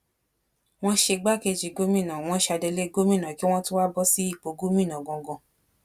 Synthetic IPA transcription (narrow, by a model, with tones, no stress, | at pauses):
w̃ɔ̃˦ʃe˧ɡ͡ba˦˨ke˧d͡ʒi˨ɡo˦mĩ˦˨nã˨w̃ɔ̃˦ʃa˧de˧le˦ɡo˦mĩ˦˨nã˨ki˦w̃ɔ̃˦tu˦wa˦bɔ˦si˦i˦˨k͡po˨˦ɡu˦mĩ˦˨nã˨ɡɔ̃˧˨ɡɔ̃˨˧